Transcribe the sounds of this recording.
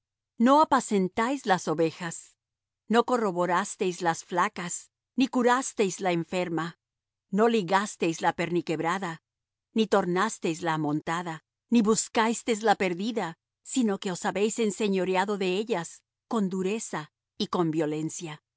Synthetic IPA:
no̞apase̞nt̪ajzlaso̞βe̞xas | no̞ko̞ro̞βo̞ɾast̪e̞jzlasflakas | nikuɾast̪e̞jzlaeɱfe̞ɾma | no̞liɣast̪e̞jzlape̞ɾnike̞βɾaða | nit̪o̞ɾnast̪e̞jzlaːmõ̞nt̪aða | niβuskajst̪e̞zlape̞ɾðiða | sino̞ke̞o̞saβe̞jse̞nse̞ɲo̞ɾjaðo̞ðe̞eʎas | ko̞nd̪uɾe̞sa | iko̞mbjo̞le̞nsja

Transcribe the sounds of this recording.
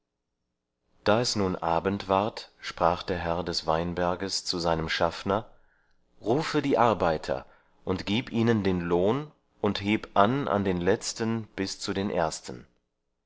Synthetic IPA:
d̥aːɛsnuːnʔaːbəntv̥aɐtʃpʁ̥aːχd̥eːɐɦɛɐdɛsv̥aɪnbɛɐɡəst͡suzaɪnəmʃafnɐ | ʁuːfədiːʔaɐbaɪtʰɐ̰ | ʔʊntɡ̥iːpʔiːnəndeːnloːn | ʔʊntheːpʔanʔa̰ndeːnlɛt͡stənb̥ɪst͡sudeːnʔḛːɐstən̩

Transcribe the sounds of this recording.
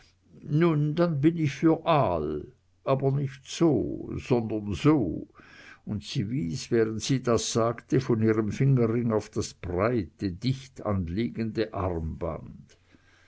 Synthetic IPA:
nundanbɪnɪçfyːɐʔal | ʔaːbɐnɪçtz̥o̰ːz̥ɔndɐnzoː | ʊntsiːviːsvɛːʁəntsiːdasz̥aːktəfɔniːʁəmfɪŋəʁɪŋaʊfd̥asb̥ʁaɪtədɪçta̰nliːɡəndəʔa̰ʁmba̰nd̥

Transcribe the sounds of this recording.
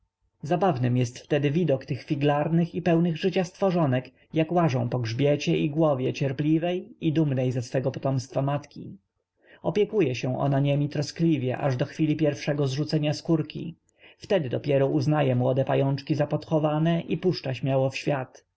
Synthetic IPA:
zabavnɘmjɛst̪ft̪ɛd̪ɘvʲid̪ɔkt̪ɘxfʲiɡlaɾnɘxipɛwnɘɣʐɘt͡ɕast̪fɔʐɔnɛk | jakwaʐɔ̃w̃pɔɡʐbʲjɛt͡ɕɛʔiɡwɔvʲjɛt͡ɕɛɾplʲivɛjid̪umnɛjzɛsfɛɡɔpɔ̥t̪ɔmst̪famat̪kʲḭ | ɔpʲjɛkujɛɕɛ̃ʔɔ̰naɲemʲit̪ɾɔsklʲivʲjɛ̰ʔaʐd̪ɔxfʲilʲipʲjɛɾfʂɛɡɔzʐut̪sɛɲaskuɾkʲḭ | ft̪ɛd̪ɘd̪ɔpʲjɛɾɔʔuznajɛmwɔd̪ɛpajɔnt͡ʂkʲizapɔt̪xɔvanɛʔipuʂt͡ʂaɕmʲjawɔfɕfʲjat̪

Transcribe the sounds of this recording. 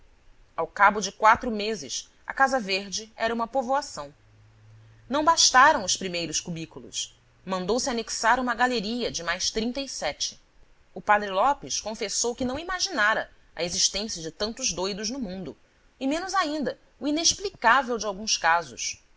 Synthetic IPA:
awkabʊd͡ʒɪkwat̪ɾʊmezɪ̰s | ɐ̰kazɐveɾd͡ʒɪɛɾɐũmɐpovoasɐ̃w̃ | nɐ̃w̃baʃt̪aɾɐ̃w̃ʊspɾimejɾʊskubikulʊ̰ʃ | mɐ̃nd̪owsɪaneksaɾũmɐɡaleɾiɐd͡ʒɪmajʃt̪ɾĩnt̪ɐisɛt͡ʃɪ̥ | ʊpad̪ɾɪlɔpɪskõfesowkɪnɐ̃w̃imaʒinaɾɐ̰ | ɐ̰eziʃt̪ẽsiɐd͡ʒɪt̪ɐ̃nt̪ʊzd̪ojd̪ʊznʊmũnd̪ʊ | ɪmẽnʊzaĩnd̪ɐ | uineʃplikavewd͡ʒɪawɡũskazʊs

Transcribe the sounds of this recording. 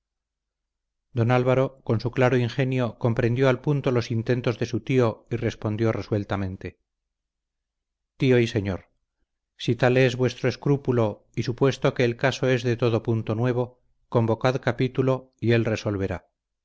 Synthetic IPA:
d̪o̞nalβaɾo̞ko̞nsuklaɾoiŋxe̞njo̞ko̞mpɾe̞nd̪jo̞alpunt̪o̞lo̞sint̪e̞nt̪o̞zðe̞sut̪io̞ire̞spo̞nd̪jo̞re̞swe̞lt̪amẽ̞nt̪e̞ | t̪io̞ise̞ɲo̞ɾ | sit̪ale̞zβwe̞st̪ɾoeskɾupulo̞ | isupwe̞st̪o̞ke̞ːlkaso̞e̞zðe̞t̪o̞ðo̞punt̪o̞nwe̞β̞o̞ | ko̞mbo̞kaðkapit̪ulo̞ie̞lre̞so̞lβe̞ɾa

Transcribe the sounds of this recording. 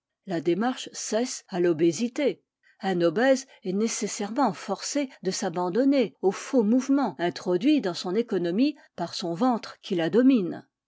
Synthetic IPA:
lad̪emaʁʃsɛsalɔbezit̪e | ɛ̃nɔbɛz | ɛnesesɛʁmɑ̃fɔʁsed̪əsabɑ̃d̪ɔneofomuvmɑ̃ɛ̃t̪χɔd̪ɥid̪ɑ̃sɔ̃nekɔnɔmi | paʁsɔ̃vɑ̃t̪χkʲʰilad̪ɔmin

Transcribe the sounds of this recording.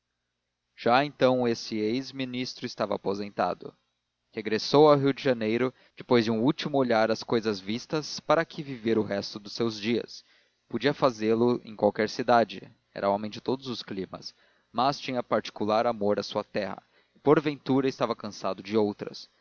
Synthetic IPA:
ʒ̥aẽnt̪ɐ̃w̃esɪejzminist̪ɾʊɪst̪avɐa̰pozẽnt̪a̰d̪ʊ̰ | heɡɾesowawɦiwd͡ʒɪʒɐnejɾʊ | d͡ʒ̥ɪpojzd͡ʒɪũut͡ʃimʊoʎaɾɐskojzɐzvist̪ɐspaɾɐkʰɪviveɾʊɦɛst̪ʊd̪ʊsewzd͡ʒiɐ̰s | pod͡ʒiɐfazelʊʔḛ̃j̃kwawkɛɾsid̪ad͡ʒɪ | ɛ̰ɾʔɐomẽj̃d͡ʒɪt̪od̪ʊzʊsklĩmɐ̰s | mɐst͡ʃĩɲɐpaɾt͡ʃi̥kulaɾamoɾɐsuɐt̪ɛhɐ̰ | ɪpoɾvẽnt̪uɾɐɪst̪avɐkɐ̃sad̪ʊd͡ʒɪowt̪ɾɐ̰s

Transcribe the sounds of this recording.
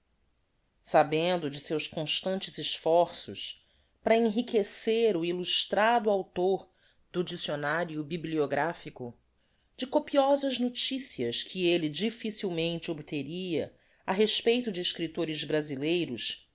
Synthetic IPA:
sabẽnd̪ʊd͡ʒɪsewskõʃt̪ɐ̃nt͡ʃɪzɪʃfɔɾsʊ̰ʃ | pɾɐẽɦikeseɾʊiluʃt̪ɾad̪ʊawt̪oɾ | d̪̥ʊd͡ʒisionaɾiʊbiblioɡɾafikʊ | d͡ʒɪkopiɔzɐznot͡ʃisiɐskʰɪelɪd͡ʒifisiwmẽnt͡ʃɪobt̪eɾiɐ̰ | ɐɦeʃpejt̪ʊd͡ʒɪːʃkɾit̪oɾɪzbɾazilejɾʊs

